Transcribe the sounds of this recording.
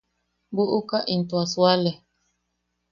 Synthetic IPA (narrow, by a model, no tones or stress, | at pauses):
buʔukaʔin̩twaswalɛ